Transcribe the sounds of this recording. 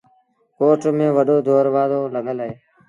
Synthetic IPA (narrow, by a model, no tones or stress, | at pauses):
koːʈmẽːʋəɗoːd̪ʱoːɾʋaːd̪oːləɠʱəlɦeː